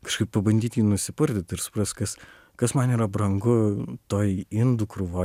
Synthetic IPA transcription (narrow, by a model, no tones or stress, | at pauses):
kɐʃkɐɪppɐbɐnʲd̪ʲiːt̪ʲjiːnʊsʲɪpʊɾʲd̪ʲɪt̪ʲɪɾsʊ̥pɾɐsʲt̪ʲkɐs | kɐsmɐniːɾɐbɾɐŋɡʊt̪oːjɪnd̪ʊkɾʊʋoː